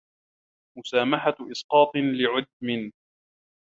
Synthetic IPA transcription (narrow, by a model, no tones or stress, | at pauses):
mʊsaːmaħaʔɪsqɑːt̪ˤlɪʕʊd̪̚mɪn